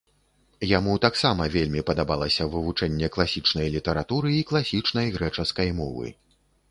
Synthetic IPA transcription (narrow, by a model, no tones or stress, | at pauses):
jamut̪aksamɐvʲelʲmʲipɐd̪abalˠɐsʲɐvɨvut͡ʂɛnʲːɛklˠasʲit͡ʂnɐjlʲit̪ɛɾat̪uɾɨiklˠasʲit͡ʂn̪ɐjɣɾɛt͡ʂɐskɐjmɔ̰vɨ̰